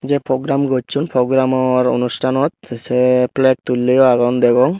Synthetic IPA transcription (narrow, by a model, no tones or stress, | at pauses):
zɛpɹɔɡɹamɡɔtt͡ʃʰunpɹɔɡɹamɔɹo̰nusʈʰanɔt̪̚sɛplɛk̚t̪ulːiɔaɡɔnd̪ɛɡɔŋ